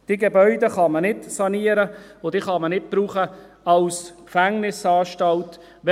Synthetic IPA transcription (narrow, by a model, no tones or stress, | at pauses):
d̥iːɡebœʏdəχɑmənɪtsɑniəɾəod̥̪iːχɑmənɪt̚b̥ɾuːχə | ɑwskfæŋnɪsɑːʃtɑlt | ʋ